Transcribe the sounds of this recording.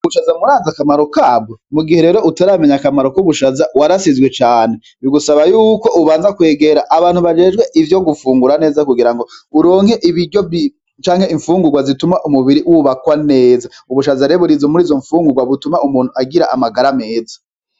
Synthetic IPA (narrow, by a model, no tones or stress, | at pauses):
βuʃazamuɾaːzakamaɾokab̚ɡomuɡiheɾe̞ːɾoʔutaɾame̞ɲakamaɾo̞kuβuʃazawaɾasizɡwe̞t͡ʃaːn̥e̞ | βiɡusaβajuːko̞ʔuβaːnzakwe̞ːɡe̞ɾaʔaβaːnhuβad͡ʒe̞ːd͡ʒɡwe̞ʔivjo̞ɡufuːŋɡuɾane̞ːzakuɡiɾaŋɡo̞uɾo̞ːŋhe̞ʔiβiɾɟoi | t͡ʃaːŋhe̞iɱfuːŋɡuɡwazitumaʔumuβiɾiwuβakwane̞ːza | uβuʃazaɾeβuɾizomuɾiːzo̞ɱfuːŋɡuɡwaβutumaumuːn̥huaɡiɾaʔamaɡaɾame̞ːza